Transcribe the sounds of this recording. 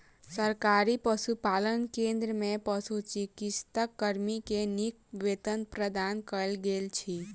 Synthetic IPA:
səɾkaɾipəsupalənkẽnd̪ɾəmẽpəsut͡ʃikit͡ʃt̪əkːəɾmikenik̚ʋet̪ənpɾəd̪ankəlɡelt͡ʃʰi

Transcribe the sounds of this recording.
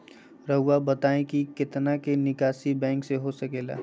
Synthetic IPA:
ɾɐɦʊwabɐt̪aːẽkikɪt̪nakenɪkaːsibɛ̃ːŋkseɦosɐkeːla̰ː

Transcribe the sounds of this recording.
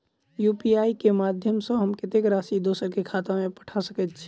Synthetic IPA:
jupiaikemad̪ʱjəmsə̃ɦəmkɪt̪ekɾasid̪oːsəɾkekʰat̪amẽpə̥ʈʰasəkɛt̪t͡ʃʰi̥

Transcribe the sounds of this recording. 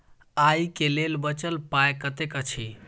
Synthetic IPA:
aikelelbət͡ʃəlpajekət̪ekət͡ʃʰi

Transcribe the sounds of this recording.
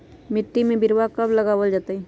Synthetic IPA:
mɪʈːimẽbɪɾwakɐblɐɡaːwəld͡ʒaːt̪aɦɛː

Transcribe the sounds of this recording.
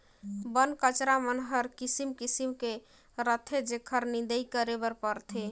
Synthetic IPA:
bənkət͡ʃɾamənɦəɾkisimkisimke | ɾət̪ʰed͡ʒekʰəɾnĩnd̪əjkəɾebəɾpəɾt̪ʰe

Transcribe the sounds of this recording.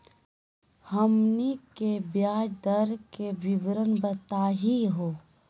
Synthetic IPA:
həmnikebjaːd͡ʒd̪əɾkebibɾənbət̪aːɦiɦoː

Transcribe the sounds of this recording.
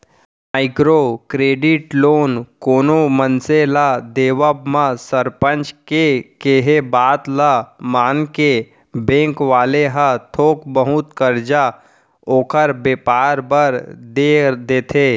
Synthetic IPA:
aːɪkɾokɾeːɖɪʈloːnkoːnomənselad̪eːʋəbmãsəɾpə̃nt͡ʃkekeɦebaːt̪lamaːnke | bẽːŋkʋaːleɦət̪ʰoːkbəɦʊt̪kəɾd͡ʒa | oːkʰəɾbeːpaːɾbəɾd̪ed̪eːt̪ʰeː

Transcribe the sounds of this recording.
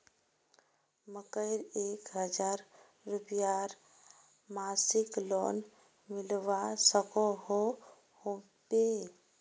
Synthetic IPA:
məkəɪɾeːkɦəd͡ʒaːɾː | ʊpjaɾ | maːsɪklɔ̰ːn | mɪlʋasəkoho | hot̪e

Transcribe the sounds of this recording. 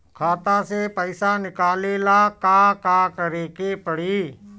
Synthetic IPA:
kʰaːt̪asepəɪsanɪkaːleːlakakakəɾeːkepəɽiː

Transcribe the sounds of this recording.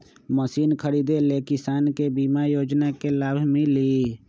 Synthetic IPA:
məsiːnkʰəɾiːd̪elekɪsaːnkebimajoːd͡ʒnakelaːbʱmẽli

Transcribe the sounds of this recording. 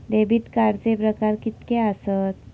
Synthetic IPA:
d̪ebiːt̪kaɾt͡sepɾəkaɾkit̪keəsət̪

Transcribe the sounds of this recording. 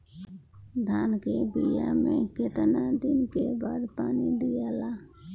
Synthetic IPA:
d̪ʱaːnkeːbijaːmẽːkɪt̪naːd̪ɪnkeːbaːd̪paːnid̪ɪjaːlaː

